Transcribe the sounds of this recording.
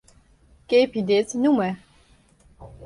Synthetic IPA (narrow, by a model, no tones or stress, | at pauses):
kepid̪et͡snumɛ